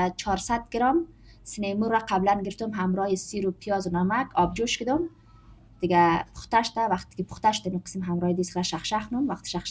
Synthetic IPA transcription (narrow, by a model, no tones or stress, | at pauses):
t͡ʃʰɔɾsad̪̚ɡɪɾɔm | sɪnemuɾːaqʰablanɡɪɾɪft̪umɦamɾɔjisiɾupʰijɒzunamakʰɔb̚d͡ʒuʃkɪd̪ʊm | d̪̥ɪɡapʰʊ̥xt̪aʃʊ̥t̪awaqt̪ɪ̥kipʰʊ̥χt̪aʃʊd̪ɪmiqɨ̥simɦamɾɔjid̪isχɾaʃaχʃaxʊnumwaqt̪ɪ̥ʃaχʃ